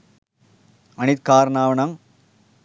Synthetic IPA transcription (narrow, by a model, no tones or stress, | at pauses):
ɐnit̪̚kaːɾnaːʋɐnaːŋ